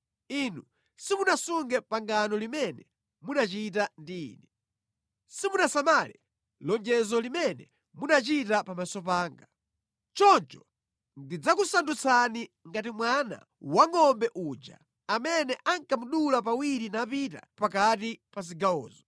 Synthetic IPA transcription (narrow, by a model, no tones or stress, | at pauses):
inu | simunasuŋɡɛpaŋɡanɔlimɛnɛ | munat͡ʃitandḭːnɛ | simunasamalɛ̰ | lɔnd͡ʒɛzɔlimɛnɛ̰ | munat͡ʃitapamasɔpaːŋɡa | t͡ʃɔnt͡ʃɔ̥ | ndid͡zakusandut͡sʰani | ŋɡatimwana̰ | waŋɔmbɛʔuːd͡ʒa̰ | amɛnɛʔaŋkamuɗulap̬awiɾinapita̰pakatipas̬iɡaɔ̰ːzɔ